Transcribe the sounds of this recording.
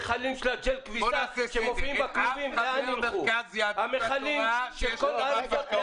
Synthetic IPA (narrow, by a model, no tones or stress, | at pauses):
χalimʃelad͡ʒelkvisaʃemofiimbakluvimleaniluhameχalimʃelko̞laɾvot̪